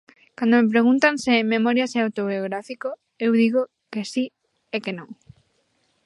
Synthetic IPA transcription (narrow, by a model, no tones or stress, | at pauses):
kand̪omep̬ɾeɣ̞unt̪aŋsɪmemoɾjaseawt̪oβioɣɾafiko | ewðiɣo | kesi | ɛkenõŋ